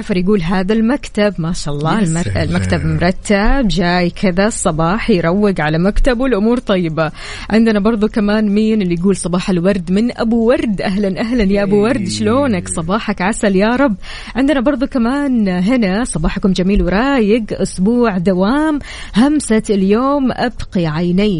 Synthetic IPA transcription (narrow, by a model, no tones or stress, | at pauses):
ʕfɑɾˤjaɡuːlɦaːðalmakt̪abmaːʃaʔɑlˤːɑːlɪlmakt̪abmʊɾˤɑt̪ːabd͡ʒaːjkʰɪðasˤːɑbɑːħjɾˤɑwːɪɡʕalamakt̪abwɪlʔʊmuːɾt̪ˤɑjːɪba | ʕɪnd̪ɪnabɑɾˤd̪ˤukamaːnmiːnɪlːijɡuːlsˤɑbɑːħalwɑɾˤd̪mɪnʔa̰buwɑɾˤd̪ʔaɦlanʔaɦlanjaʔabuwɑɾˤd̪ʃloːnaksˤɑbɑːħakʕasaljaɾˤɑbː | ʕɪnd̪ɪnabɑɾˤðˤukamaːnɦɪnasˤɑbɑːħkʊmd͡ʒamiːlwɾˤɑːjɪɡʔʊsbuːʕd̪awaːm | hamsaljoːmʔabqiʕajnaː